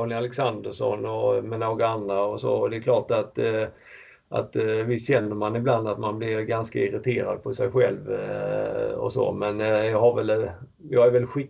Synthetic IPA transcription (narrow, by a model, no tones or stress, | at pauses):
nɪalɛksand̪əʂɔ̰nɔmɛnoːɡaand̪ɾaɔso̰ːɔd̪ɛkʰlɑːʈat̪ | ʔa̰t̪vɪɕɛnːəɾmanɪbland̪at̪manblɪɾɡanskaɪɾɪt̪ʰeːɾa̰d̪̚pʰɔsɛjɧɛlv | ɔ̰so̰ːmɛnjɑːɡɦaɾvɛl | jɑːɡæɾvɛlɧɪ